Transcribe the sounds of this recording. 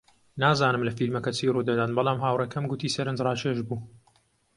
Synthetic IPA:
naːzaːnɨmlɐfilmɐkɐt͡sʰiːruːd̪ɐd̪aːnbɐlˠaːmɦaːwrɐkʰɐmɡʊt̪ʰiːsɐɾɨnd͡ʒraːt͡ʃeʃbuː

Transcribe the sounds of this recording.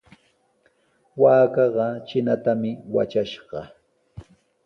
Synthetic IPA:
waːkɑɢɑt͡ʃɪnat̪amɪwa̰t͡ʃaʃɢɑ

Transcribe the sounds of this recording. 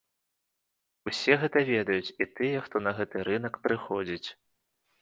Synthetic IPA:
usʲɛɣɛt̪ɐvʲɛd̪ɐjut͡sʲit̪ɨjɛxt̪ɔnɐɣɛt̪ɨɾɨnɐkpɾɨxɔd͡zʲit͡sʲ

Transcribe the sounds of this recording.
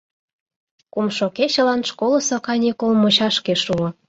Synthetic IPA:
kumʃokeɕə̆lɑnʃkolɤ̆sokɑnʲikolmot͡ɕɑʃkeʃuo

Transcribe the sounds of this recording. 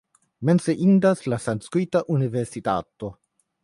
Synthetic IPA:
menseʔind̪aslasanskwit̪aʔuniveɾsit̪a̰t̪o

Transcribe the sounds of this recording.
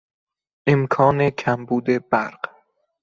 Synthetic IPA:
ʔemkʰɒːnekʰæmbuːd̪e̞bæɾɢ̥

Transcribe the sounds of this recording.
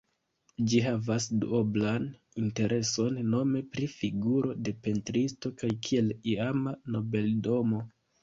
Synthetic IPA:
d͡ʒiɦavasdṵoblan | inte̞ɾʔe̞so̞nːo̞me̞pɾifiɡuɾo̞de̞pe̞ntɾisto̞kajkʰie̞liamano̞be̞ldo̞mo̞

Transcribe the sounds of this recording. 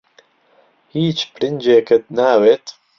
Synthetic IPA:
hiːt͡ʃpɾɪnd͡ʒeːkət̪̚naːweːt̪

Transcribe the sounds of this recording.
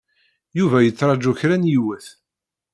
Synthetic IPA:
juvæjət͡sːɾˤɑd͡ʒuçɾænjiwæθ

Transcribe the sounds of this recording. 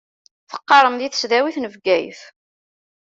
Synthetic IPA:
θə̥qːɑɾˤəmðiθə̥sðæwiθnəvɡæjθ

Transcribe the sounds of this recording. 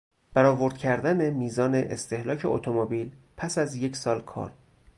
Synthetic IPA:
b̥æɾɒːvo̞ɾd̪̥̚cʰæɾd̪æne̞miːzɒːneʔḛst̪e̞hlɒːcʰe̞o̰t̪ʰomobiːlpʰæsæzje̞cʰsɒːlkʰɒ̰ːɾ

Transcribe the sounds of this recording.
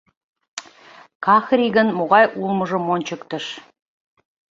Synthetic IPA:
kɑxrʲiɣə̆nmoɣɑjulmə̆ʒə̆monʲt͡ɕəkt̪ə̆ʃ

